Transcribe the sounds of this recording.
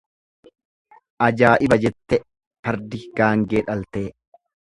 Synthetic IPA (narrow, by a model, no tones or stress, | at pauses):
ʔɐd͡ʒaːʔɪbɐd͡ʒɛt̪ːɛ | fɐɾd̪ɪɡ̥aːŋɡeːᶑɐlt̪eː